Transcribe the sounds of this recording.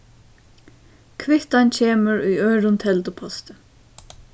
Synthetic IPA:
kʰʋɪht̪ancʰeːməɹujœːɹʊnt̪ʰɛlt̪ʊpʰɔst̪ə

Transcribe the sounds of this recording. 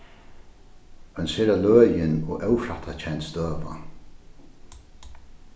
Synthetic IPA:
œnsɛːɾalœːjɪnɔ̰ːʔœwfɾat̪ʰat͡ɕʰɛnt̪st̪øːʋa̰

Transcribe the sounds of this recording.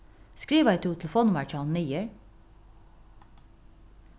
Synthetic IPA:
skɹiːʋæɪt̪ʰuːt̪ʰləfoːnʊmæt͡ʃɑnnyjəɹ

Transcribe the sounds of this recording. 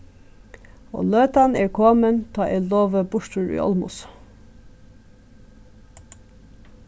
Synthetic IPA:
o̰ːløːt̪ɑneːɹkʰoːmənt̪ʰɑːʔeloːʋəbʊʃtʉɹḭːʔɔ̰lmʊ̰s

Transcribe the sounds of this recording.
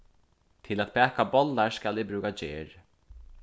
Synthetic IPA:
t̪ʰɪlæt̪̚pʰɛːkabɔlːaɹskælɛbɾʉːkad͡ʒeːɹ

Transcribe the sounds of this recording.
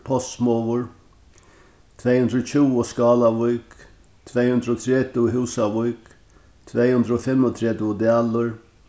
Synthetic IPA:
pʰɔst̪mɔwʊɹ | t̪ʰveːjhɵnd̪ɾɔt͡ʃʰɪwɔskɑːlaʋujk | t̪ʰvɛːjhʉnd̪ɾɔt̪ʰɾɛːt̪ɪɦɪwsaʋujk | t̪ʰvɛjhɵnd̪ɾəɔfɪmːɔt̪ʰɾɛt̪ɪɔd̪aːlʊɾ

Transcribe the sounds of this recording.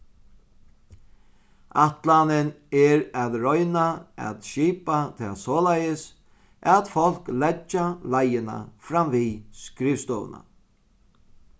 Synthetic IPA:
aht̪lanɪn | ɛɾaðɾɔjnaa̰t̪ʃiːpat̪ʰɛːsɔːlajɪs | ʔɛt̪fɔl̥klɛt͡ʃːalajɪna̰fɾamviskɾɪfst̪ɔ̰ːw̰na̰

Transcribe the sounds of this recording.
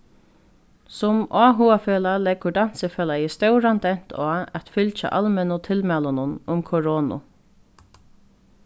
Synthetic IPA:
sʊmaːɦuːafeːlalɛkʊdan̥sɪfɛːlajɪst̪œwɾant̪ɛn̥t̪ʰɔːɛt̪fʏlt͡ʃa̰ʔalmɛnʊt̪ʰɪlmɛːlʊnʊnʊmkʰɔɹoːnʊ̰

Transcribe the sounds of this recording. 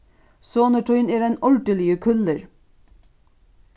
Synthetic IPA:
soːnəʈʰʊʏneːɾæːnɔlɖəlɪəkʰʉləɾ

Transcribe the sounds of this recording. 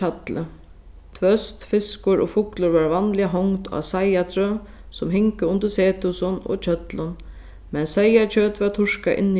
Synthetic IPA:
at̪lə | t̪ʰʋœst̪fɪskʊɾɔ̰ːfʊklʊɾvaɹvanlɪaɦɔŋt̪a̰sajat̪ʰɾœ | sʊmɦɪŋkəʊnt̪əɾseːt̪ʊsʊno̰ːt͡ʃʰœt̪lʊn | mɛnsɛjat͡ʃʰøːt̪ʋat̪ʰʊʂka̰ʔɪ̰nː

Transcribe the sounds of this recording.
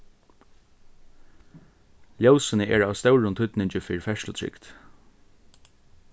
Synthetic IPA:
ljowsɪnəʔɛɹaːʋst̪œwɹʊnt̪ʰʏt̪nɪɲt͡ʃɪfɪːɾfɛʂlʊt̪ʰɹɪ̰kt̪

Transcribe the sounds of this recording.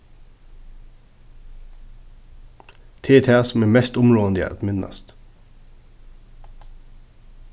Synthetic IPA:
t̪ʰeːt̪ʰæːsm̩eːmɛst̪ʊmɾoːənd̪ɪə̰ːɑ̰t̪mɪnɑ̰st̪

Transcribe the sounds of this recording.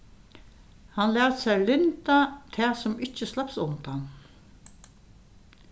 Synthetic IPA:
hanlɛːt̪sɛjlɪnt̪at̪ʰɛːsɔmɪt͡ɕt͡ʃːəslapsʊnt̪an

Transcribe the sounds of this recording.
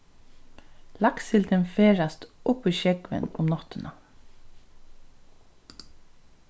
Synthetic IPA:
laksɪlt̪ɛnfeːɹast̪ʊpiːʃɛkʋə̰nʊ̰mnɔt̪ɪnʔa

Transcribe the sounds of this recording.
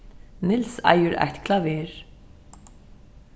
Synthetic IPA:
nɪlsæ̰jəɾæ̰ht̪kʰlɑveːɹ

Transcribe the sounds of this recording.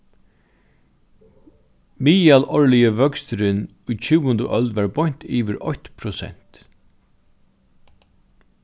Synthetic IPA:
miːjalɔɹlɪjəvœkst̪ɾɪn | ujt͡ʃʰuːwʊnd̪əʔœld̪ʋaɹbɔjɲ̥t̪ʰiːʋɪɾɔ̰çt̪pʰɾɔsɛ̰n̥t̪

